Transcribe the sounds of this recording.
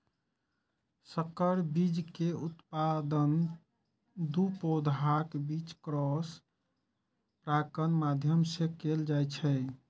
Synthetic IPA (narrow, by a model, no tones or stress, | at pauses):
səkəɾbid͡ʒkeut̪pad̪ən | d̪upod̪ʱakbit͡ʃkɾɔs | pɾakənmad̪ʱjəmsekeld͡ʒajt͡ʃʰɛ